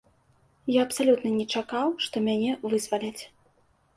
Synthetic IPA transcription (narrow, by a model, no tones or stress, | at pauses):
jaɐpsalʲut̪nɐnʲɛt͡ʂakawʂt̪ɔmʲanʲɛvɨzvalʲɐt͡sʲ